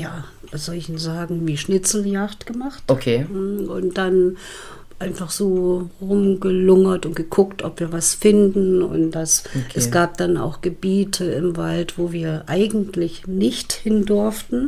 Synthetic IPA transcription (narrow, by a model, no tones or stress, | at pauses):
jaː | v̥az̥ɔlɪçn̩zaːɡŋ̩viːʃnɪt͡sl̩jaktɡ̥əmaχtokʰeʊntd̥an | ʔaɪnfaχz̥oːʁʊmɡəlʊŋɐtʊntɡ̥əkʰʊktʔɔpv̥iːɐvasfɪndn̩ʊ̰ntd̥asɛsɡ̥aːp̚d̥ana̰ʊxɡ̥əbiːtʰəɪmvaltv̥oːviːɐʔaɪɡŋ̩tʰlɪçnɪçthɪndʊɐftn̩